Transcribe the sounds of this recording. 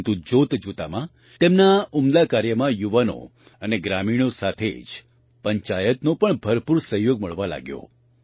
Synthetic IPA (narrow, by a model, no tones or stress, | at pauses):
t̪ud͡ʒot̪d͡ʒut̪a̰mã | t̪emnaumd̪akaɾjəmãjuʋano̰ | əneɡɾamiɽ̃osat̪ʰḛd͡ʒ | pəɲt͡ʃajət̪nõpəɳbʱəɾpuɾsəɦjoɡməɭʋala̰ɡjo̰